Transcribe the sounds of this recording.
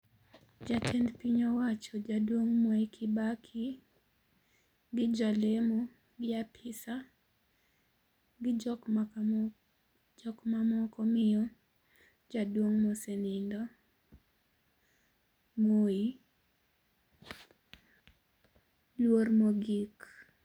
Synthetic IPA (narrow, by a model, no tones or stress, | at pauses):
d͡ʒat͡ʃɛndpiɲɔwat͡ʃɔd͡ʒadwoŋmɔekʰɪbakʰi | ɡɪd͡ʒalemo | ɡɪapʰɪsa | ɡɪk | d͡ʒɔkmamɔkɔmɪjɔ | d͡ʒadwoŋmosenɪndɔ | moi | lwormoɡik